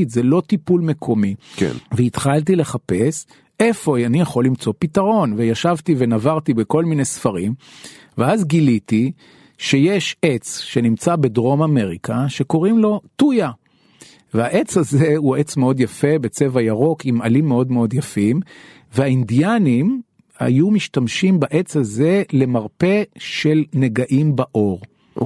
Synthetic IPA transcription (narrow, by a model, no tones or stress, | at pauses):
t̪zelo̞t̪ipulmekʰo̞mikveit̪χalt̬ile̞χape̞s | efo̞anijaχo̞lːimt͡sopitaʁo̞nvejaʃavtivenavaʁt̪ibeko̞lminejsfaʁimveazɡilit̪i | ʃe̞jeʃet͡sʃe̞nimt͡sabe̞dʁo̞mame̞ʁikʰaʃe̞ko̞ʁimlo̞tuja | veaʔe̞t͡shaze̞uet͡smeo̞d̪jafe̞be̞t͡se̞vajaʁo̞kimalimːeo̞dmeo̞djafim | veaindijanim | ha̰jumiʃtamʃimbaʔe̞t͡shaze̞le̞maʁpe̞ʃe̞lne̞ɡaʔimbaʔo̞ʁ